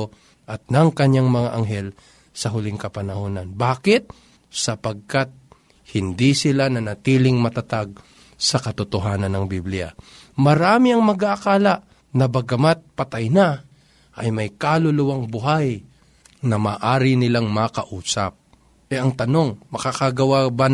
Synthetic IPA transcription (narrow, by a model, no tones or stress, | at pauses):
ʔɐt̪̚nɐŋkɐɲaŋmɐŋaʔɐŋɦɛl | sɐɦʊlɪŋkɐpɐnɐhoːnɐnbaːkɪt̪̚ | sɐpɐɡ̚kat̪̚ | hɪnd̪isɪlanɐnɐt̪iːlɪŋmɐt̪ɐt̪aɡ̚ | sɐkɐt̪ʊt̪oɦaːnɐnːɐŋbiblɪja̰ | mɐɾaːmɪɐŋmɐɡaʔɐkaːlaʔ | nɐbɐɡɐmat̪̚pɐt̪ajna | ʔɐjmɐjkaːlʊlʊwaŋbʊɦaj | nɐmaːʔaːɾɪnɪlaŋmɐkɐʔuːsɐp̚ | ʔɛʔɐŋt̪ɐno̞ŋmɐkakɐɡɐwaban